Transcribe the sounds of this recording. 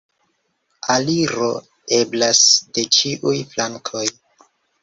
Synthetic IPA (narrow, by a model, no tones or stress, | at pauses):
aliɾo̞ | e̞blasd̥e̞t͡ʃiʔujflaŋkʰo̞j